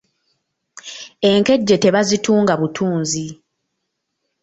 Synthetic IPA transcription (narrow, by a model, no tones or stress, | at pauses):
e̞ŋke̞ɟːe̞te̞βazituːŋɡaβutʰuːnzi